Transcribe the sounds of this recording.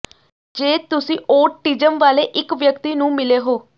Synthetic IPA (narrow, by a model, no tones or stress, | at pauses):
d͡ʒeːt̪ʊsĩːʔoːʈiːd͡ʒəmʋaːleːʔɪkʋjəkt̪iːnũːmɪleːɦoː